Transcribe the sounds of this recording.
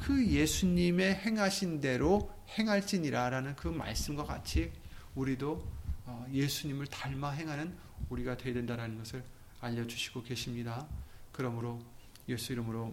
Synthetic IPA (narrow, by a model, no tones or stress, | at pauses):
kɯje̞sʰuɲime̞he̞ŋɦaɕʰinde̞ɾo | he̞ŋɦaɭt͡ɕ͈iɲiɾaɾanɯnkɯma̰ɭs͈ɯmɡwaka̰t͡ɕʰiuɾidoʌje̞sʰuɲimɯɭtaɭmaɦe̞ŋɦanɯn | uɾiɡadwedwe̞ndaɾanɯnɡʌsʰɯɾ | aʎːʌd͡ʑuɕʰi̥ɡ̥oke̞ɕʰimɲidakɯɾʌmɯɾo | jesʰuiɾɯmɯɾo